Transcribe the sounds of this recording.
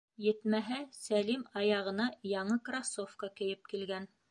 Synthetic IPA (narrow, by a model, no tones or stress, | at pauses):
jɘ̆t̪mæɦæsælimɑjɑʁɤ̆nɑjɑɴɤkrasofkɑkɘ̆jɘp̚kilɡæn